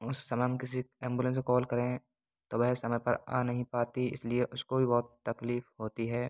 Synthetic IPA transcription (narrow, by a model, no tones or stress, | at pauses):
ʊsːɐməɦɐmkɪs̬iɛ̃ːmbulə̃ns̬ekɔːlkɐɾẽ | t̪oːʋɐɦsɐməjpɐ̰ɾã̰ːnɐɦĩpaːt̪iɪ̰slieʔʊskobʱibɔːt̪ːɐkliːfɦoːt̪iɦɛː